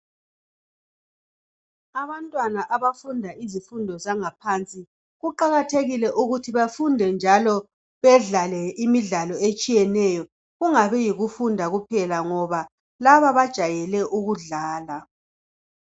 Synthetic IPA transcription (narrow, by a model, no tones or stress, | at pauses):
aβantʼwanaʔaβafundʱaizifundʱɔzaŋapʰant͡sʼi | ɣuǃaɣatʰeɣilɛʔuɣutʰiβafundʱɛnd͡ʒʱalɔ | βɛɮalɛimiɮalɔet͡ʃʼijɛnɛjɔ | ɣuŋaβɛjiɣufundʱaɣupʰɛlaŋɔβa | laβaβad̥ʒ̥ʱajɛlɛʔuɣuɮaːla